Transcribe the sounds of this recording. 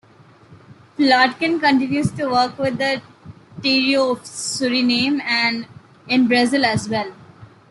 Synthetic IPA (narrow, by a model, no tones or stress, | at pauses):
flɔːʈkɪ̃nkə̃ɳʈɪ̃njusʈuʋəɾkʋɪd̪əʈiːɾioɔfsʊɾinẽːmæ̃ɳɖ | ɪ̃nbɾʌzɪlæzʋɛl